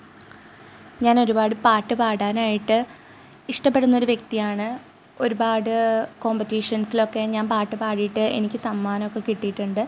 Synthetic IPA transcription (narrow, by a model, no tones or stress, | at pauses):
ɲaːno̞ɾubaːɽɨpaːʈːɨpaːɽaːnaːjiʈːɨ | iʂʈɐpːe̞ɽunːo̞ɾuʋje̞k̚t̪ijaːɳɨ | o̞ɾubaːɽɨko̞ːmpɐtːiʂɐnsilo̞kːe̞ɲaːnpaːrʈːɨpaːɽijiʈːɨe̞̰nikʲːɨsɐmːaːnɐmokːekiʈːijiʈːuɳɖɨ